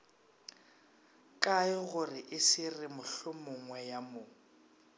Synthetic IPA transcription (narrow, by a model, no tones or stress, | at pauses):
kʼaɪɣʊrɪʔɪsɪrɪmʊɬʊmʊŋwɛjamʊ